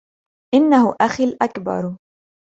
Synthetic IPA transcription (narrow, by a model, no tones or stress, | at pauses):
ʔɪnːahʊʔaxilʔakbɑ̰ɾˤ